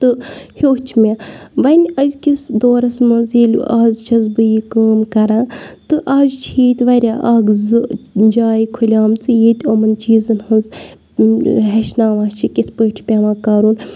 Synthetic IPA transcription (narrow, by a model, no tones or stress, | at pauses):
t̪ɨhoːt͡ʃʰmeʋɐnʲɐzʲkisd̪oːɾɐsmɐnzeːl̰ʲaːzt͡ʃʰɐzbɨjikaːmkɐɾãːt̪ɨʔaːzt͡ʃʰiːt̪ʲʋɐɾʲaːʔaːɡzɨd͡ʒaːjikʰulʲaːmt͡sɨjet̪ʲɐmɐnt͡ʃiːzɐnhɐnz | ɦeʃnaːʋaːt͡ʃʰikʲit̪ʰpəːʈʰpʲaʋãːkaːɾuːn